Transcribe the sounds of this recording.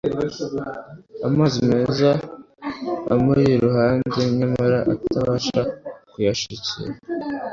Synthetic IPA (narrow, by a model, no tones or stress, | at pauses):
amaːzime̞ːza | majiɾuhaːnde̞ɲɲamaɾaʔataβaːʃakujaʃicḭɾa